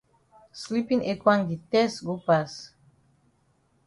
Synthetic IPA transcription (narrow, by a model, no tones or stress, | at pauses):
slipiŋekwaŋɡit̪ɛsɡupas